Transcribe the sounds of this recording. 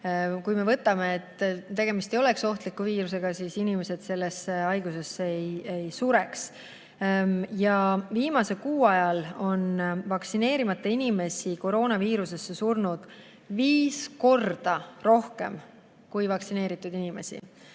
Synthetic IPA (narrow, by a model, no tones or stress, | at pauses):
kujme̞vɤt̪ːˑɑme̞ːt̪ːˑt̪e̞ɡ̥e̞mist̪ejo̞le̞kso̞ht̪likːuviːɾuse̞ɡ̥ɑsisinime̞se̞d̪̥se̞lːe̞seɑjɡ̥use̞sːeejejsuɾe̞ks | jɑviːmɑse̞kuːɑjɑlo̞nvɑksine̞ːɾimɑt̪ːˑɑinime̞siko̞ɾo̞ːnɑviːɾuse̞sːe̞surnud̪̥ | viːsko̞rd̪̥ɑro̞hke̞̰m | kujvɑksine̞ːɾit̪ːˑud̪inime̞̰sḭ